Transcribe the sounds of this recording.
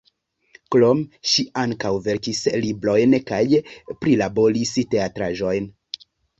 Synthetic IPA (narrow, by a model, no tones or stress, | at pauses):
klomʃiaŋkawve̞ɾkislibɾo̞jnkajpɾilabo̞ɾiste̞atɾaʒo̞jn